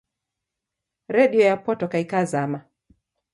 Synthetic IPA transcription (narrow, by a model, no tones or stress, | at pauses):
ɾɛɗiɔjapɔtɔkaikazama